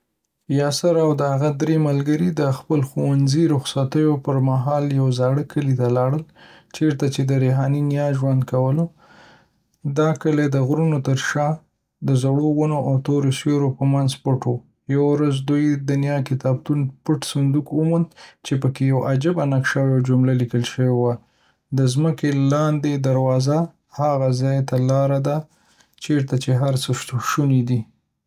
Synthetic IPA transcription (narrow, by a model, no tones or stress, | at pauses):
jɑsaɾawd̪əhaɣad̪ɾemalɡəɾid̪əxpəlxowanziɾʊxsat̪əjopəɾmaɦɑljawzɑɽəkʰəlit̪alɑɽəlt͡ʃeɾt̪at͡ʃed̪əɾeɦɑninjɑʒwand̪̚kawəlo | d̪ɑkəled̪əɣɾunot̪əɾʃɑ | d̪əzaɽowanoʔawt̪oɾosoɾopəmanzpəʈo | jawaɾazd̪ujd̪ənjɑkɪt̪ɑb̚t̪unpəʈsand̪ukumund̪t͡ʃepəkejawad͡ʒabanakʃawawd͡ʒʊmlalikəlʃəwewa | d̪əzməkelɑnd̪ed̪aɾwɑza | haɣazɑjt̪alɑɾad̪a | t͡ʃeɾt̪at͡ʃeɦaɾsəʃt̪uʃunid̪i